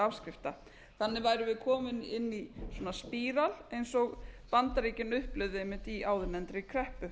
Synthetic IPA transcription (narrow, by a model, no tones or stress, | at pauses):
afskɾɪft̪a | θanːɪvaːjɾʏvɪðkʰɔːmɪnɪnːiswɔːnaspiːɾalejnsɔɣpant̪aɾiːcɪnʏhplʏɥðejmɪt̪iaːwðɪnɛnt̪ɾɪkʰɾɛhpʏ